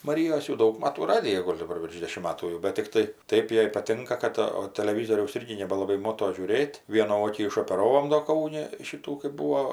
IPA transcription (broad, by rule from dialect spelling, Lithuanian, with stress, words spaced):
mɐˈrʲiːjoːs jɛʊ ˈdɐʊk ˈmɑːtuː ˈrɑːdʲɪjɛ ˈɡoːlʲ dɐˈbɐr ʋʲɪrʃ ˈdʲeːʃʲɪm ˈmɑːtuː jɛʊ bʲɛt tʲɪkˈtɐɪ ˈtɐɪp ˈjɛɪ pɐˈtʲɪŋkɐ ˈkɐt oː tɐlʲɛˈʋʲiːzoːrʲɛʊs ˈɪrʲɡʲɪ nʲɛbʲɛlˠɐˈbɐɪ ˈmoːtoː ʒʲuːˈrʲeːtʲ ˈʋʲiɛnuː ˈoːkʲiː ɪʃoːpʲɛˈrɑːʋoːm doː ˈkɐʊnʲɪ ˈʃʲiːtuː kɜp ˈbuːʋoː